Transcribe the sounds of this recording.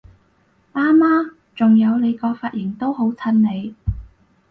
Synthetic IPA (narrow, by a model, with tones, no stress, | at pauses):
ʔaː˥maː˥ | t͡sʊ˨ŋjɐ˨˧wne˨˧jkɔː˧faː˧t̚jɪ˨˩ŋt̪o˥wɦo˨˥wt͡sʰɐ˧nne˨˧j